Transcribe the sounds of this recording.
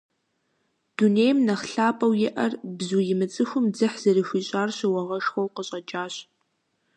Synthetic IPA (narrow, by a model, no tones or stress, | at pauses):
d̥uneːjmnɐχɬaːpʼɐwjɪʔɐrbzuːjɪmɨt͡sʼɨxʷʊmd͡zɨħz̥ɐrixʷiːɕʼaːrɕɐwɐʁɐʃxʷɐwqəɕʼɐd͡ʒʼaːɕ